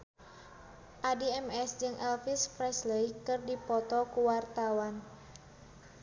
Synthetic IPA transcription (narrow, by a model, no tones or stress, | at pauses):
ʔadiɛmɛsd͡ʒɨŋʔɛlfispɾɛsləikɨrdipɔt̪ɔkuwart̪awan